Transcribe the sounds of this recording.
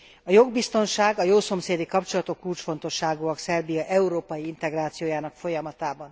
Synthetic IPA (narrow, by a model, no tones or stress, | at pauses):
ɒjo̞ɡbist̪o̞nʃaːɡɒjoːso̞mseːd̪ikɒpt͡ʃo̞lɒt̪o̞kːult͡ʃfo̞n̪t̪o̞ʃːaːɡuɒksɛrbijɒʔɛuɾoːpɒjiint̪ɛɡraːt̪sijoːjaːnɒkfo̞jɒmɒt̪aːbɒn